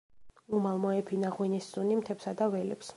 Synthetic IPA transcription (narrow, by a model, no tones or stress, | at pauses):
umalˠmɔɛpʰinaʁwinissunimt̪ʰɛpsad̪avɛlɛ̰ps